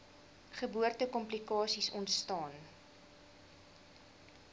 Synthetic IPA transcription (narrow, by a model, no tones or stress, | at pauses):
χəbuərtəkɔmplikɑːsisɔntstɑːn